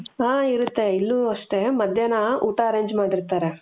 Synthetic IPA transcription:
aːiɾut̪ːe̞ilːuɐʂʈe̞mɐd̪ʱjɐnɐuːʈaːɾeːɲd͡ʒmaːɽiɾt̪aːɾe

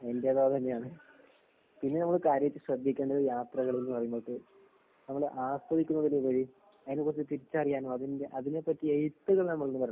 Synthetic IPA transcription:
ended̪aːɐt̪ɐnːejaːɳɨ | pinːe̞nɐmːɐɭkaːɾjɐɐt̪ːɨɕrɐd̪ʱːikʲːeːɳɖɐðjaːt̪rɐɣɐɭilmɐrɐjuŋːoɭʈːɨ | nɐmːɐɭʔaːspɐðikʲːunːɐʋɐleʋɐɻi | ɐðɐnekːurɐt͡ɕːɨt̪iɾit͡ɕːɨɐrijaːnoːɐðindeʔɐðine̞pːɐtːiejt̪ːɨɣɐɭnɐmːɐɭonːɨpɐɾɐ

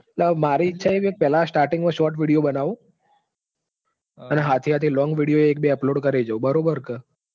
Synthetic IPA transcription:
əbmaɾiːtːʃʰaeʋek̚pɛlasʈaɾʈɪ̃ŋɡmãʃɔɾʈ̬ʋiɽijobənaʋũ | əneɦat̪ʰiat̪ʰilɔ̃ŋɡʋiɽijoeːk̚beəploɽkəɾed͡ʒəũbəɾobəɾkə

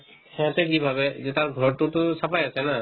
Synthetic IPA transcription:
hɛ̃tɛk̬ibʱabɛzɛtaɾɡʱɔɹtutʊsapajasɛna

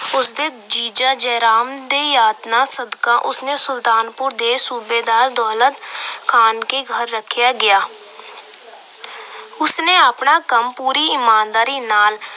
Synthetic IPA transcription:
ʊsd̪eː | d͡ʒiːd͡ʒaːd͡ʒɛːɾaːmd̪eːjaːt̪naːsəd̪kãːʔʊsneːsʊlt̪aːnpʊɾd̪eːsuːbeːd̪aːɾd̪ɔːlət̪kʰaːnkeːɡʱəɾːəkʰːjaːɡɪjaː | ʊsneːəpɳaːkəmpuːɾiːɪmaːnd̪aːɾiːnaːl

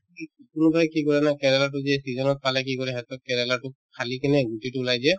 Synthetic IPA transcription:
ikʊnʊbajkikɔɹɛnakɛɹɛlat̬ʊzɛsizɔnɔt̚palɛk̬ikɔɹɛɦɛtɔkɛɹɛlatʊkʰalikinɛɡutitʊlajzɛ

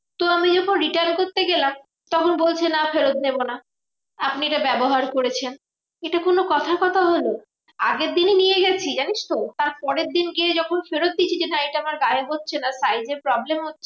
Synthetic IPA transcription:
t̪oamid͡ʑɔkʰonɾiʈaɾnkoɾt̪eɡelam | t̪ɔkʰonbolt͡ɕʰenafeɾod̪̚nebona | apnieʈabɛboɦaɾkoɾet͡ɕʰen | eʈakonokɔt̪ʰaɾkɔt̪ʰaɦolo | a̰ɡeɾd̪ininijeɡɛt͡ɕʰid͡ʑaniʃt̪ot̪aɾpɔɾeɾd̪inɡied͡ʑɔkʰonfeɾod̪̚d̪it͡ɕʰid͡ʑenaiʈaamaɾɡaɦeɦot̪ːɕʰenasajd͡ʑeɾpɾɔblemɦotːɕʰe̥

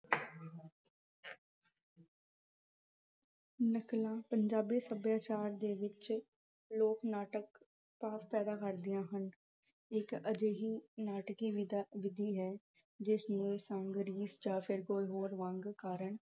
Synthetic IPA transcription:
nəklãːpəɲd͡ʒaːbiːsəbjaːt͡ʃaːɾd̪eːʋɪt͡ʃ | loːknaːʈək | paːspɛːd̪aːkəɾd̪ɪjãːɦən | ɪkəd͡ʒ̪eːɦiːnaːʈkiːʋ̪ʋɪd̪iːɦɛː | d͡ʒɪsnũːesə̃ŋɡɾiːsd͡ʒaːpʰɪɾkoːiɦoːɾʋãːŋɡkaːɾəɳ

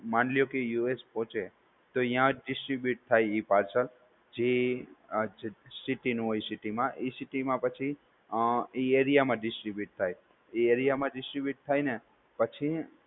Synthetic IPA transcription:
manlijokejuespɔ̃t͡ʃe | t̪oĩjãɖɪsʈɾibjuʈ̚t̪ʰajipaɾsəl | d͡ʒe | d͡ʒsiʈinũɦojsiʈimãʔisiʈimãpət͡ʃʰi | ieɾijamãɖɪsɾibjuʈ̚t̪ʰaj | ieɾijamãɖɪsʈɾibjuʈ̚t̪ʰajne | pət͡ʃʰi

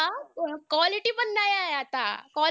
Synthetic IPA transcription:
akʋaliʈibənːajajːt̪a̰ka

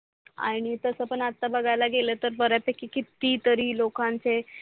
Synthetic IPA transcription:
a̰ɽ̃it̪əsəpəɳat̪ːabəɡʱajlaɡelet̪əɾbəɾjapekːikit̪ːiːt̪əɾiːlokãnt͡se

